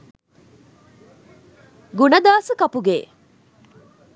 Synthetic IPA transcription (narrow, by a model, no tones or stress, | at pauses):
ɡunɐd̪aːsəkɐpuɡeː